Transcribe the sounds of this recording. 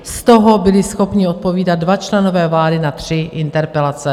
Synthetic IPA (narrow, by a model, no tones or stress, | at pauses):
st̪o̞ɦobɪlɪsxo̞pɲɪot̪̚po̞viːdat̪̚dvat͡ʃlɛno̞vɛːvlaːdɪnat̪r̝̥ɪʔɪnt̪ɛɾpɛlat͡sɛ